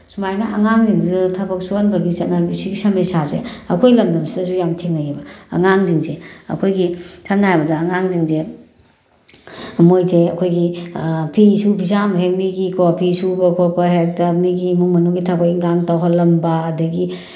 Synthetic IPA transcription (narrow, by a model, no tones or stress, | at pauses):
sumajnɐʔɐŋaŋziŋdidɐtʰɐbɐk̚suanbɐɡisɐnajbisiɡisɐmejsazḛɐ̰kʰojlɐmdɐmsidɐzujamtʰeŋnajebɐɐ̰ŋaŋziŋzeɐ̰kʰojɡitʰamnajbɐdɐːŋaŋziŋze | mojzeɐkʰojɡipʰisubʱizamɦekmiɡikʰopʰisubɐkʰɔpɐɦek̚tɐmiɡimuŋmɐnuɡitʰɐbɐkŋɡaŋtawɦalɐmbaːdɐɡi